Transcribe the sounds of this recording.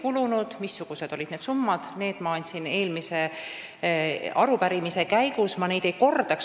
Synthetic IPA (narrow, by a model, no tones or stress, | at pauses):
kulunud̪̥misːuɡ̥use̞d̪̥o̞lʲid̪̥ned̪sumːɑd̪̥ne̞ːd̪̥mɑɑnʲt̪ʲsine̞ːlmise̞ | ɑɾupæɾimise̞kæjɡ̥usmɑne̞jd̪̥e̞jko̞rd̪̥ɑks